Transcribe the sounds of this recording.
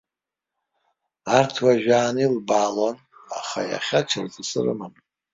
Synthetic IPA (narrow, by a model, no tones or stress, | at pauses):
artʰwaʒᶣaːnilbaːlon | a̰χaja̰χʲaʈ͡ʂʰarzɨsɨ̰rɨ̰man